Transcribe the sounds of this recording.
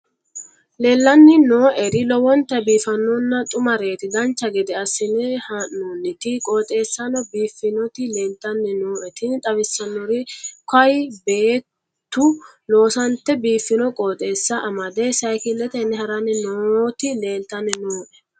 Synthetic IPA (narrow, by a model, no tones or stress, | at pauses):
le̞ːlːɐnːɪnoːʔɛɾɪlɔwɔnt̪ːɛbiːfɐnːɔnːɐt̪ʼʊmɐɾe̞ːt̪ɪd̪ɐnt͡ʃːɐɡɛd̪ɛɐsːɪnɛhɐnːoːnːɪt̪ɪkʼoːt̪ʼe̞ːsːɐnɔbiːfːɪnɔt̪ɪle̞ːlt̪ɐnːɪnoːʔɛt̪ɪnt̪ʼɐbɪsːɐnːɔɾɪkɐjbeːt | t̪ːʊ | loːsɐnt̪ːɛbiːfːɪnɔkʼoːt̪ʼe̞ːsːɐʔɐmɐd̪ɛsɐjkɪlːɛt̪ɛnːɛhɐɾɐnːɪnot̪ɪleːlt̪ɐnːɪnoːʔɛ̥